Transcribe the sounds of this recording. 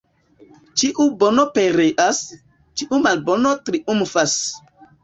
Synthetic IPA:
t͡ʃiʔubonopeɾeʔas | t͡ʃiʔumalbonotɾiʔumfas

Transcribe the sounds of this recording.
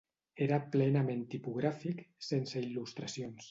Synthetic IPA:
eɾaplɛnamẽnt̪ipuɣ̞ɾafiksensəilust̪ɾasions

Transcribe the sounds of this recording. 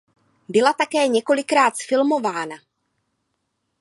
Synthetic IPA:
bɪlat̪akɛːɲɛko̞lɪkɾaːt̪sfɪlmo̞vaːna

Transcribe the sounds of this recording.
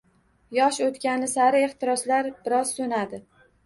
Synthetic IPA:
jɒʃot̪kʲanɪsaɾɪe̞χt̪ʰɪɾɒslaɾb̥ɪɾɒz̥sonad̪ɪ

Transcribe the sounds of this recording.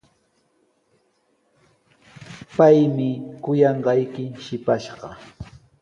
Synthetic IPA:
pajmɪkʊjɑɴɢɑjkɪʃɪpaʃɢɑ

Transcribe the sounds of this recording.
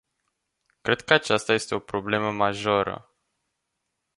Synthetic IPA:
kɾe̞d̪̚kəat͡ʃast̪aje̞st̪e̞o̞pɾo̞ble̞məmaʒoɾə̰

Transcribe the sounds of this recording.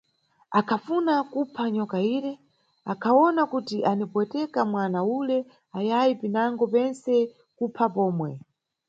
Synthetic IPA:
akʰafunakupʰaɲɔkaiːɾɛ | akʰaɔnakutiʔanipwɛtɛkamwanaulɛ | ajajipinaŋɡɔpɛnsɛ | kupʰapɔːmwɛ

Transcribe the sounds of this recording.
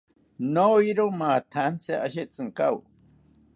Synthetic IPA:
noiɾomaːt̪ʰanseʔaɕet͡sʼɨŋkaw

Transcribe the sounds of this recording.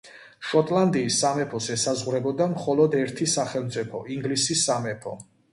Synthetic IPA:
ʃɔt̪ʼlˠand̪iːsːamɛpʰɔsɛsazʁwɾɛbɔd̪amχɔlɔd̪ɛɾt̪ʰisaχɛlˠmt̪sʼipʰɔiŋɡlisisːamɛpʰɔ

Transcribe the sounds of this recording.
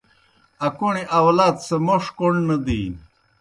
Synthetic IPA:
ɐkuɳiʔɐwlaːt̪semoʂkoɳnɐd̪iːn

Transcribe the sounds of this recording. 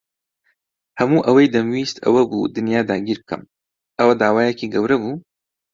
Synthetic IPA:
hɐmuːʔɐwɐjd̪ɐmwiːst̪ʰɐ̰wɐbṵd̪ɨnjaːd̪aːɡʲiːɾbɨkʰɐ̰m | ʔɐwɐd̪aːwaːjekiɡɐwɾɐbuː

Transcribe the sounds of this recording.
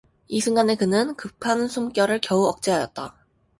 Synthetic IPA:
isʰɯŋɡane̞kɯnɯnkɯpʰansʰumk͈jʌɾɯɭkjʌuʌk̚t͡ɕ͈iɦajʌt̚t͈a

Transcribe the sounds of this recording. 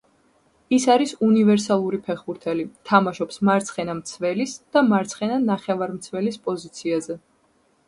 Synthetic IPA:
isaɾisunivɛɾs̬alˠuɾipʰɛχbuɾt̪ʰɛlit̪ʰamaʃɔpsmaɾt̪sʰχɛnamt̪sʰvɛlisd̪̥amaɾt̪sʰχɛnanaχɛvaɾmt̪sʰvɛlispʼɔzit̪sʰiazɛ

